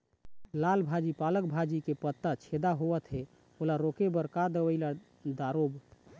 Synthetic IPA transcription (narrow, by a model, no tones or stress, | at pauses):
lalbʱad͡ʒipalək̚bʱad͡ʒikepət̪ːat͡ʃʰed̪aɦoʋət̪ɦe | olaɾokebəɾkad̪əwəɪla | d̪aɾob